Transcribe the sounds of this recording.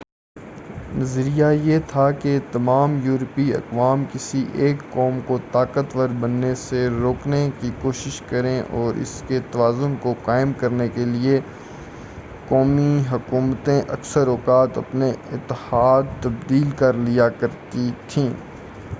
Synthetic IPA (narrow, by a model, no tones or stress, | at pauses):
nɐzəɾijajet̪ʰaket̪ɐmaːmjuːɾpiɐ̰qʋaːmkɪsiʔeːkːɔːmkot̪aːkət̪ʋəɾbɐnːeseɾoːknekikoːʃɪʃkɐɾẽʔɔːɾʔɪ̰sket̪ɐʋaːzʊnkoqaːɪmkɐɾnekelie | kɔːmiɦʊkuːmt̪ẽʔɐksəɾɔːkaːt̪ɐ̰pneɪt̪ːɪhaːd̪̚t̪ɐbd̪iːlkɐɾlijakɐɾt̪it̪ʰĩː